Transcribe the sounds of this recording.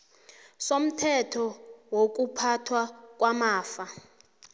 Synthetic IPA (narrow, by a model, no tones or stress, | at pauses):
som̩tʰɛtʰɔwok̬ʼupʰatʰwak̬ʼwamaːfa